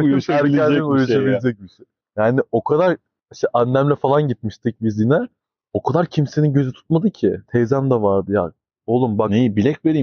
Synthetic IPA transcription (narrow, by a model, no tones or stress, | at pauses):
ʃæɾʲælimujuabilʲed͡ʒɛc̚biʃe | jaːnio̞kʰad̪aɾ | iʃt̪ɛʔanːæmlʲɛfalˠanɟit̪̚miʃt̪ʰic̚bizinɛ | o̞kʰad̪aɾcʰimse̞ninɟø̞zyt̪ʰu̥t̪mad̪ɯcʰɪt̪ʰejzæmd̪avaɾd̪ɯja̰ | olˠumbaknejibilʲɛcveɾim